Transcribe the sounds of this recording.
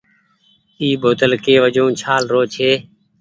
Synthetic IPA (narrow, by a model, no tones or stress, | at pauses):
iːboːt̪əlkeːʋəd͡ʒõːt͡ʃʰaːlɾoːt͡ʃʰeː